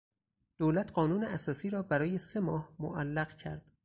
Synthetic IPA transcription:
d̪̥oːlæt̪ʰɢɒːnuːneæsɒːsiːɾɒːbæɾɒːje̞se̞mɒːhmo̰ʔælːæɣcʰæ̰ɾd̪̥

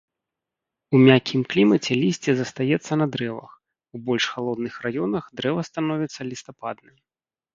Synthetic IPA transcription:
umʲakʲʰimklʲimɐt͡sʲɛlʲisʲt͡sʲɛzɐst̪ajɛt̪sːɐnɐd̪ɾɛvɐ̰x | ubɔlʲʂxalˠɔd̪nɨxrajɔnɐxd̪ɾɛvɐst̪anɔvʲɛt̪sːɐlʲist̪apad̪̚nɨm

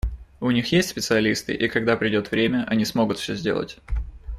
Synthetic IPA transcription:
ʊnʲixjesʲtʲsʲpʲɪt̪sɨɐlʲist̪ɨ̰ʔikɐɡd̪apɾʲɪdʲo̞t̪vɾʲemʲəʔɐnʲismo̞ɡʊt̪fsʲɵzʲdʲelˠə̰tʲ

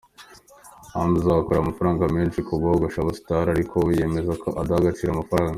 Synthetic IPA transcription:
hanbuzaakoɾaːmafaɾaːŋɡamet͡ʃikʰoɡaoɡaʃaβasi̥taɾaɾikʰo̞je̞ːme̞zakʰo̞ʔadahaɡat͡ʃiɾaːmafaɾaːŋɡa

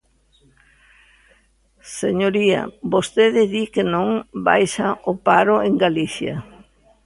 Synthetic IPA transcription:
seɲoɾiɐ̰bost̪eðɪðikenõŋba̰jʃaʔopaɾʊeŋɡaliθjɐ̰

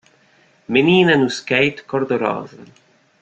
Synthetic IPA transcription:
meniːnanuskɛjt̪kɔɾd̪ɔɾɔ̰ːza̰

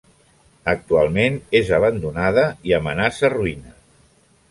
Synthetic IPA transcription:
ək̚t̪ualˠmenezəβ̞ənd̪unaðəiəmənasəruinə

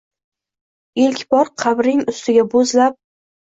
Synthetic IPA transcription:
elkʲbɒɾqʰɑbɾɪŋʊst̪ʰɪɡʲabozlap̚

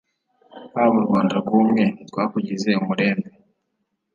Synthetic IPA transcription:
haβuɾɡwaːndaɡuːmŋe̞tɡwaːkuɟize̞umuɾe̞ːmbe

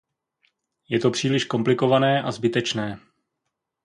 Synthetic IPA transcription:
jɛt̪o̞pr̥iːlɪʃko̞mplɪko̞vanɛːʔazbɪt̪ɛt͡ʃnɛː

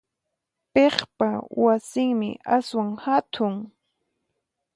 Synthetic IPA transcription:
peχpawasɪŋmɪ̰ʔaswaŋhat̪ʰʊŋ

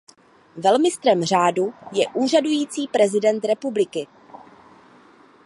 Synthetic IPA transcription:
vɛlmɪst̪ɾɛmr̝aːdujɛʔuːr̝adujiːt͡siːpɾɛzɪdɛnt̪ɾɛpublɪkɪ

